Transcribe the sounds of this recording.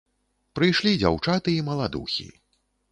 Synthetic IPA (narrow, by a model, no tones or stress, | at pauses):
pɾɨjʂlʲid͡zʲa̰wt͡ʂat̪ɨimɐlˠad̪ṵxʲḭ